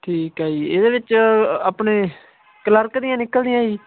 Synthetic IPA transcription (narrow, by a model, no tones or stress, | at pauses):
ʈʰiːkaːiːeːd̪eːʋɪt͡ʃaːpɳeː | kələɾkd̪ijãːnɪkːəld̪ɪjãːiː